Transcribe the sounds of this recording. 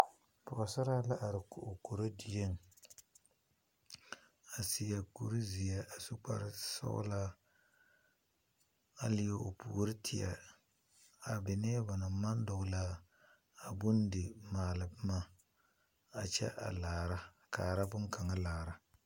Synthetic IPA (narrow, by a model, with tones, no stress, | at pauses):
pʊ˨a˨sa˦ɾa˦la˦ʔa˨ɾɪ˨kʊ˨o˨ko˨ɾo˦di˨je˦ŋ | a˨sɪ˨ja˨ku˨ɾi˦zi˨ja˦ʔa˨su˦k͡pa̰˦ɾɪ˦sɔ̰˦la˦ | a˦lɪ˦ja˨o˨pṵː˨ɾɪ˦tʰɪ˨a̰˨ | a˨bɪ˨nɛː˦ba˨na˨ma˦n˦dʊ˨ɡʊ˨laː˦˨ | bʊ˦ndɪ˨maː˨lɨ˨bma˦ | a˨t͡ʃɛ̰˦ʔa̰˨laː˨ɾa˦ | kaː˨ɾa˦bʊ˦ŋka˨ŋa˦laː˨ɾa˦